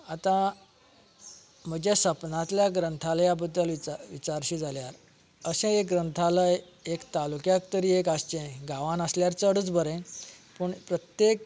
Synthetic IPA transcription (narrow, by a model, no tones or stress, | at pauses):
at̪ã | m̤əd͡ʑjasəpnãt̪ljaɡɾənt̪ʰaljabəd̪ːəlʋiʋit͡saɾɕiːd͡zaljaɾ | əɕẽeɡɾənt̪ʰaləj | ekt̪alukjakt̪əɾiːekast͡ɕẽɡaʋanəsljaɾt͡səɽət͡sbəɾẽpəɳpɾət̪jek